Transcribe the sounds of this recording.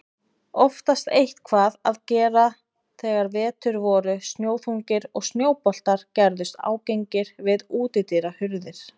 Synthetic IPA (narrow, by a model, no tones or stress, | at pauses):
ɔft̪ast̪ejht̪kʰvaːðaðcɛːɾa | θɛːɣaɾvɛːt̪ʏɾvɔːɾʏst̪njoːwθuŋcɪɾɔɣst̪njoːwpɔl̥t̪aɾ̥cɛɾðʏst̪a̰ːwcejɲcɪɾ̥vɪðuːt̪ɪt̪iɾahʏɾðɪɾ̥